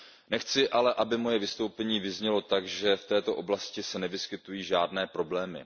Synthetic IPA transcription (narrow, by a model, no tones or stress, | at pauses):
nɛxt͡sɪʔalɛʔabɪmo̞jɛvɪst̪owpɛɲiːvɪzɲɛlo̞t̪aɡʒɛft̪ɛːt̪o̞ʔo̞blascɪsɛnɛvɪskɪt̪ujiːʒaːdnɛːpɾo̞blɛːmɪ̰